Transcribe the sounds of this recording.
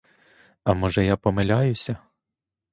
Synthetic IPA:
ɐmɔʒɛjapɔmelʲajʊsʲɐ

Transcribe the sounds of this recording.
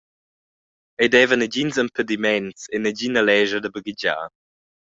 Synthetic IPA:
ejdɛːvənəd͡ʑinzəmpʰədimɛnsenəd͡ʑinəlɛːʒədəbəɡid͡ʑa̰ː

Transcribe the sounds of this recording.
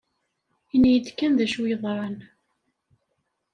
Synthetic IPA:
inijət͡s̪ːkːænðæʃwijðˤɾˤɑn

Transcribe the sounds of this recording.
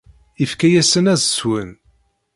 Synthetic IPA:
ifkæjæsənæzswən

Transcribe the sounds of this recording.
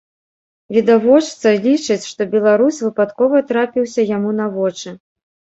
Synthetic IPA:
vʲid̪avɔt͡ʂt̪sɐlʲit͡ʂɐt͡sʲʂt̪ɔbʲɛlˠaɾusʲvɨpat̪kɔvɐt̪ɾapʲiwsʲɐjamunɐvɔt͡ʂɨ

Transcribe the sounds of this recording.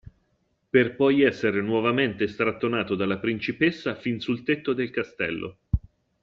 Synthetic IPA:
perpɔjɛsːeɾenwɔvament̪est̪ɾat̪ːonaːt̪od̪alːapɾint͡ʃipesːafinsult̪et̪ːod̪elkast̪ɛ̰lːʔo̰

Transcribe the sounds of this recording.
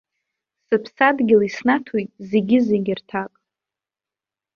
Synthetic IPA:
sɨpʰsadɡʲɪlisnatʰujtʼzeɡʲɪzeɡʲɪrtʰakʼ

